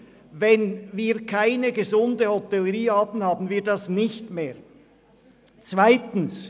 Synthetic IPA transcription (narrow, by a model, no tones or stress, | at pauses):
vɛnviːɐkʰaɪnəɡəzʊndəhɔtɛləʁiːɑːpn̩hɑːbn̩viːɐdɑsnɪçtmeːʁ | t͡svaɪtn̩s